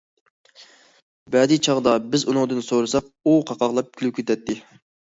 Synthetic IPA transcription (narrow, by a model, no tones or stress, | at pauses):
bɛd̪it͡ʃʰɑʁd̪ɑbɪzunɨŋd̪ɨnsoɾɨsɑq̚uqʰɑqɑʁlˠɑp̚kʲʰylykʲʰet̪ʰɛt̪ʰːɪ